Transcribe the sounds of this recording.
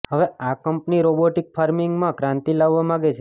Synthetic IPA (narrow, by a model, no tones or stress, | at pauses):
ɦəʋeakəmpniɾoboʈɪk̚fʰaɾmɪŋɡmãkɾãnt̪ilaʋːamaɡet͡ʃʰe